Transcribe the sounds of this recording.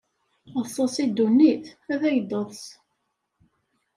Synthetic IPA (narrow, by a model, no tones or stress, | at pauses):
əsˤːəsid̪ːunːiθæðæjd̪ˤəðˤs